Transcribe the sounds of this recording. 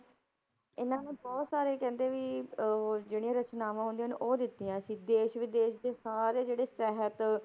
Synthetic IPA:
ɪnãːnẽːbɔːt̪saːɾeːkɛ̃ːnd̪eːʋiː | d͡ʒeːɽijãːɾət͡ʃnaːʋãːɦʊ̃nd̪ĩːnʔoːd̪ɪt̪ːiãːəsĩːd̪eːʃʋɪd̪eːʃd̪eːsaːɾeːd͡ʒeːɽeːsɛɦət̪

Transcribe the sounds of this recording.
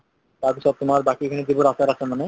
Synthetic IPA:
t̪aɾbisɔt̪ʊmaɾbakiekʰaned̪iboɾasaɾasʰemane

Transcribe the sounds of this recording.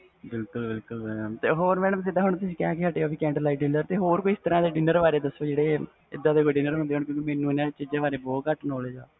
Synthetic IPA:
bɪlkʊlbɪlkʊlt̪eːɦoːɾmɛ̃ːɽəmd̪ɪd̪aːɦʊɳt̪ʊsĩːkɛːkɪɦəʈeːoːʋiːkɛ̃ːɳʈlaːiːɖɪnəɾt̪eːɦoːɾkoiɪst̪əɾãːd̪eːɖɪnəɾʋaːɾeːd̪əsoːd͡ʒeːɽeː | ɪd̪ːãːd̪eːkoːɖɪnəɾɦʊ̃nd̪eːoːɳkjõːkimeːnũːɪnãːt͡ʃɪd͡ʒãːʋaːɾeːbɔːt̪kəʈʰnoːleːd͡ʒaː

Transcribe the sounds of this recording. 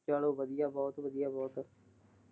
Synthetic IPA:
t͡ʃaːloːʋəd̪ijaːbɔːt̪ʋəd̪ijaːbɔːt̪

